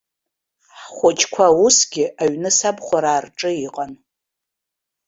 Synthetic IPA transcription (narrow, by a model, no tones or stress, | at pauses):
ħχʷat͡ʃʰʼkʷʰausɡʲɪʔaɥnɨsabχʷaɾaːrʈ͡ʂʼɨiqʼan